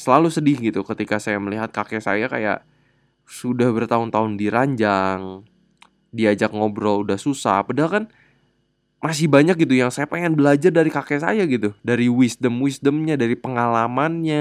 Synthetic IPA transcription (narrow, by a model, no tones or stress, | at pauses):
səlalusədɪhɡit̪ukət̪ikasajaməliɦat̪̚kakɛsa̰jaka̰ja̰ʔ | sudahbərt̪aʊnt̪aʊndiɾaɲd͡ʒaŋ | diad͡ʒakŋobɾoudahsusa̰hbadaalkan | mas̬ɪhbaɲak̚ɡit̪ujaŋsajapeŋɛnbəlad͡ʒardaɾikakɛsa̰jaɡit̪udaɾiwisdəmwisdəmɲadaɾipəŋalamanɲa